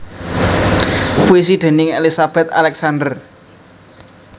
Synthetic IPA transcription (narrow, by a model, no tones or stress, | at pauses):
puis̬id̪̥ɛ̤nɪŋelisab̥ɛ̤t̪a̰lɛksand̪ər